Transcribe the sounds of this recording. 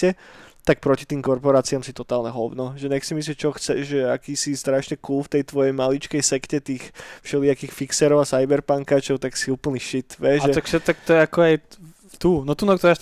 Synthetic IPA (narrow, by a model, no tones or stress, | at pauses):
ɛt̪ak̚pɾɔcit̪iːmkɔɾpɔɾaːt͡siamsit̪ɔt̪aːlɲɛɦɔwnɔʒɛɲɛxsimisliɛt͡ʃɔxt͡sɛʒɛakiːsist̪ɾaʃɲɛkulft̪ɛjt̪ʋɔjɛjmalit͡ʃkɛjsɛkcɛt̪iːxfʃɛliːakiːxfiksɛɾɔʊasajbɛɾpaŋkaːt͡ʃɔʊt̪aksiuːpl̩ɲiʃit̪ʋɛʒɛt̪akʃɛt̪ak̚t̪ɔjɛakɔaj | t̪unɔt̪unɔkt̪ɔaʃ